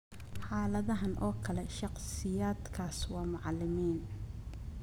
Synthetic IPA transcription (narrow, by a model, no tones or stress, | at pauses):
ħɑːlɐðɐɦɐnʔɔːkʰɐlɛʃɑqsɪjaːd̪kʰaːswɑːmʊʕɑlɪmiːn